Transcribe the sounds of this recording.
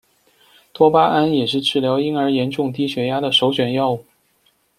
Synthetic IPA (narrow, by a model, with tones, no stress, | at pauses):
t̪wɔ˥pa˥ʔa˥njɛ˨˩ʂɻ̩˥˧ʈ͡ʂɻ̩˥˩ljɑ˧˥ʊi˥nə˞˧˥jɛ˧˥nʈ͡ʂʊ˥˧ŋt̪̬i˥˩ɕɥɛ˧˥ja˥d̪ə˨ʂo˧˥ʊɕɥɛ˨˩njɑ˥ʊu˥˩